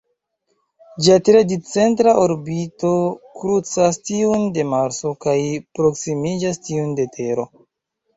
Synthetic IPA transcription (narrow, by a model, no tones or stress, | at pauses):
d͡ʒiatɾedit͡se̞ntɾaʔoɾbito̞kɾut͡sastiunde̞maɾso̞kajpɾo̞ksimid͡ʒastiunde̞tʰe̞ɾo̞